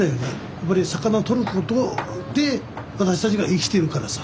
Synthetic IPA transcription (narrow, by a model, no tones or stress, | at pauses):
ajone | japːaɾʲisakanaot̪o̞ɾɯko̞t̪od̪e̞ | βat̪aɕi̥t̪at͡ɕiɡaʔikʲi̥t̪e̞ɾɯ̟kaɾasḁ